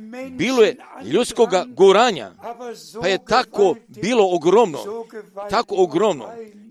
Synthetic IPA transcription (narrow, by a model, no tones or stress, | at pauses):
biːlojeʎut̪skoɡaɡuɾaːɲa̰pajet̪akobiːlo̞oɡɾomno̰t̪akooɡɾomno̰